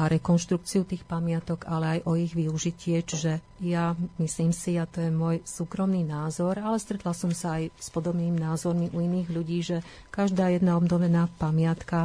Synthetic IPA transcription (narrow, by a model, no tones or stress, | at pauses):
aɾɛkɔnʃt̪ɾuk̚t͡siut̪iːxpamɪat̪ɔɡalɛajʔɔiɣʋiuʒicɪɛt͡ʃiʒɛ | jamisliːmsiat̪ɔjɛmʊɔjsuːkɾɔmniːnaːzɔɾalɛst̪ɾɛt̪lasɔmsaːjspɔd̪ɔbniːminaːzɔɾmiʔuiniːɣʎuɟiːʒɛ | kaʒd̪aːjɛd̪naɔbnɔʋɛnaːpamɪat̪ka